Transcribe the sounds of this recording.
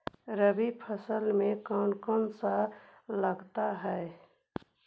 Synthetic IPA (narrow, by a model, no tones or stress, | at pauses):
ɾəbipʰəsəlmẽkɔːnkonsaləɡt̪aɦɛe